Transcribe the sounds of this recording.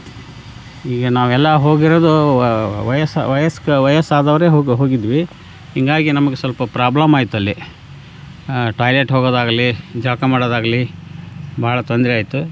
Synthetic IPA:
iːɡɐnaːʋuɛlːɐɦo̞ːɡiɾoːd̪u | ʋɐjɐsʋɐjɐskʋɐjɐsaːd̪ɐʋɐɾe̞ːɦoːɡɦoːɡid̪ʋi | ɦiŋɡaːɡinɐmɐɡesʋɐlpɐpɾaːblɐmaːjt̪uɐlːi | ʈaːjleʈɦoɡoːd̪aːɡɐlid͡ʒɐlɐkɐmaːɽod̪aːɡɐli | bʱaːɭɐt̪ond̪ɾɛaːjit̪ːu

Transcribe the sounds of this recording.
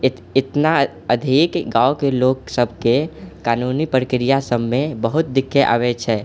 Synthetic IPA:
ɪt̪na | əd̪ʱikɡaːokeloːksəbʱkekaːnunipɾəkɾijasəbmẽbəɦʊt̪̚d̪ɪkʰːeʔa̰ːʋet͡ʃʰɛː

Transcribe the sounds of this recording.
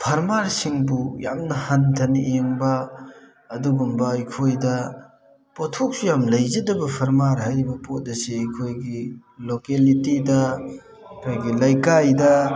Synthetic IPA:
pʰɐɾmaɾsiŋbujamnɐhɐntʰɐniʔeŋbɐː | duɡumbɐɐjkʰojdɐ | potʰok̚sujamlɐjzɐdɐbɐpʰɐɾmaɾɦajɾibɐpot̚dɐseɐjkʰojɡi | lokelitidɐ | kʰajɡilɐjkajdɐ

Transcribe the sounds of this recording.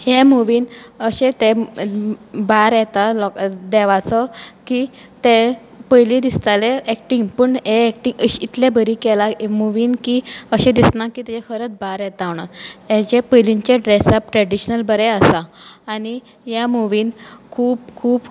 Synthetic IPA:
hemuʋiːnəɕẽt̪e | baɾjɛt̪alɔkd̪ɛʋat͡sɔki | t̪ẽ | pəjlĩd̪ist̪aleːk̚ʈiŋɡpəɳɦeːk̚ʈiŋɡɕit̪lebəɾikɛlamuʋiːnkiəɕẽd̪isnakit̪ɛt͡ɕɛkʰəɾət͡sbaɾjɛt̪aʋɳ̃aet͡ɕepəjliɲt͡ɕeɖɾesap̚ʈɾɛɽiɕnəlbəɾɛəsaːɽi | jamuʋiːnkʰuːp̚kʰuːb

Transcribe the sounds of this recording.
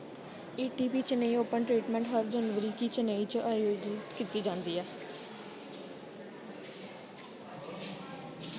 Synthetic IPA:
eːʈiːpiːt͡ʃəneioːpənʈɾiːʈmɛ̃ːɳʈɦəɾd͡ʒənʋəɾiːkiːt͡ʃəneːit͡ʃəʔaːjoːd͡ʒɪt̪kiːt̪iːd͡ʒãːnd̪iːɛː

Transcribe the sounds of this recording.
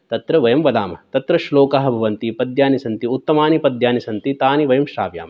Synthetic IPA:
t̪ɐt̪ɾɐʋɐjɐmʋɐd̪aːmɐ̰t̪ɐt̪ɾɐʃloːkaːɦɐ̆bʱɐʋɐnt̪ipɐd̪jaːnisɐnt̪iut̪ːɐmaːnipɐd̪jaːnisɐnt̪it̪aːniʋɐjɐmʃɾa̰ːʋja̰ːmɐ

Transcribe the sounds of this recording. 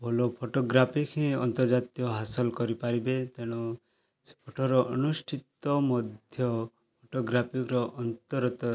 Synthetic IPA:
bʱɔlopʰoʈoɡɾapʰikʰẽɔnt̪ɔɾd͡ʒat̪ijɔɦasɔlkɔɾipaɾibet̪eɽ̃u | se̥pʰoʈʰɔɾɔʔɔnusʈʰit̪ɔmɔd̪ʱjɔ | pʰoʈoɡɾapʰikɾɔʔɔnt̪ɔɾɔt̪ɔ

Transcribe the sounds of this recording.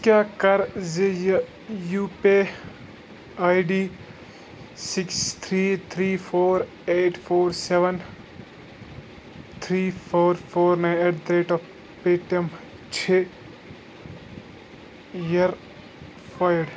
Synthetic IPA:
kjakɐɾzej | juːpe | aːjɖiː | sɪkst̪ʰɾiːt̪ʰɾiːfʰoːɾ | eːʈpʰoːɾseʋən | t̪ʰɾiːpʰoːɾfʰoːɾnãeːʈd̪ɾeːʈɔ | peːʈəm | t͡ʃʰeː | jɐɾ | fajɖ

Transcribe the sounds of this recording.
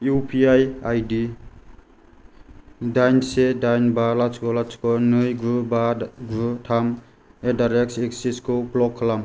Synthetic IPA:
jupʰiajajdi | dajnsedajnbalat͡ʃkɔlat͡ʃkɔnɯjɡɾubaɡɾutʰam | edaɾek̚seksiskɯplɔkʰːalam

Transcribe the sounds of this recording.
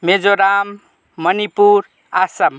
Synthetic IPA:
med͡zoɾamː | ʌnipuɾ | asam

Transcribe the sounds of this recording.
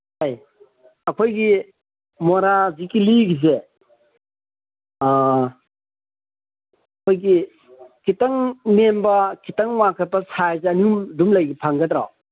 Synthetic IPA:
haj | akʰojɡi | mɔɾazikiliɡize | kʰojɡi | kitaŋmembɐkitaŋmakʰat̚pɐsajzeaniumdumlajɡipʰaŋɡatɾa

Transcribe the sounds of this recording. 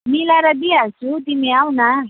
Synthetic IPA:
milaɾad̪iasut̪imiawna

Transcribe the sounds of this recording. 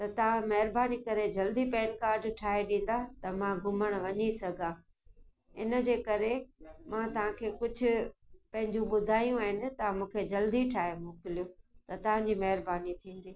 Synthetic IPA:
t̪ɐt̪ɐʋ̤ãmɐɦɪɾbaːnikɐɾed͡ʑɐld̪ipɛːnkaːɾɖʈʰaːeɗĩːn̆d̪at̪ɐmãɡʱʊməɽ̃ʋɐɲisɐɡʱã | ɪnə̆d͡ʑeːkɐɾemãt̪ɐʋ̤ãkʰeːkʊd͡ʑʱʊ̆pɐ̃ɦɪ̃ɲd͡ʑũɓʊd̪ʱaːjũaːɦɪnɪ̆t̪ɐʋ̤ãmũːkʰed͡ʑɐld̪iʈʰaːemoːkɪlijõːt̪ɐt̪ɐʋ̤ãɲd͡ʑiːmɐɦɪɾbaːnit̪ʰĩːn̆d̪iː

